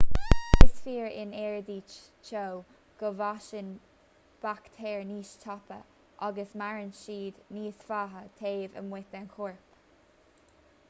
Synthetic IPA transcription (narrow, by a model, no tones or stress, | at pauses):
ɪsfiːɹɪ̰nɛːɹd̪iːt͡ʃ | t͡ʃow | ɡ̥əvaʃən | b̥akt̪ʰɛːɹniːʃtʰɑpə̰ | ʔaɡəsmaɹənʃiːd̪niːsfaːɦət̪ʰeːvə̰mwɪt̪ənkʰuːɹp